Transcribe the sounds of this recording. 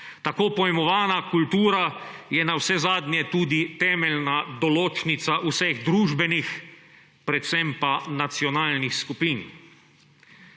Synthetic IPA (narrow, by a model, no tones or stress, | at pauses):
t̪akoːpɔjɛmɔʋaːnakult̪uːɾajɛnawsɛzaːd̪njɛt̪uːd̪it̪ɛːmɛlnad̪ɔloːt͡ʃnit̪saʔusɛɣd̪ɾuːʒbɛnix | pɾɛt̪t̪sɛmpanat̪siɔnaːlnixskupiːn